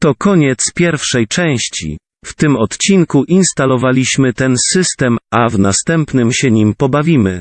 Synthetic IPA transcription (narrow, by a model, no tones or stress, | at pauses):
t̪ɔkɔɲɛt̪spʲjɛɾfʂɛjt͡ʂɛ̃w̃ɕt͡ɕḭ | ft̪ɘmɔt̪t͡ɕinkuʔinst̪alɔvalʲiɕmɘt̪ɛnsɘst̪ɛmavnast̪ɛmpnɘmɕɛɲimpɔbavʲimɘ